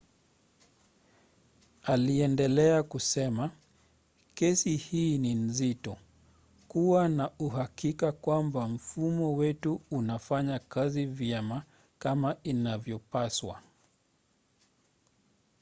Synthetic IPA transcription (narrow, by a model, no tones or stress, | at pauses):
aliɛndɛlɛakusɛma | kɛsihiːnin̩zitɔ | kuwanauɦakikakwambam̩fumɔwɛtuunafaɲakazivjɛma | kamainavjɔpaswa̰